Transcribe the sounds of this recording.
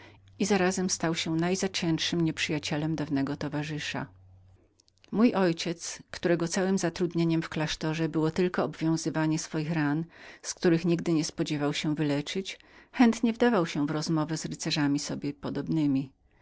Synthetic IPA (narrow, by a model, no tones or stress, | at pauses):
izaɾazɛmst̪awɕɛnajzat͡ɕɛ̃ntʂɘmɲɛpʂɘjat͡ɕɛlɛmd̪avnɛɡɔt̪ɔvaʐɘʂa̰ | mujʔɔjt͡ɕɛt̪skt̪uɾɛɡɔt̪sawɘmzat̪ɾud̪ɲeɲɛmfklaʂt̪ɔʐɛbɘwɔt̪ɘlkɔːbvʲjɔ̃w̃zɘvaɲɛsfɔjixɾanskt̪uɾɘxɲiɡd̪ɘɲɛspɔd͡ʑɛvawɕɛ̃vɘlɛt͡ʂɘt͡ɕxɛnt̪ɲɛvd̪avawɕɛvɾɔzmɔvɛzɾɘt̪sɛʐamʲisɔbʲjɛpɔd̪ɔbnɘmʲi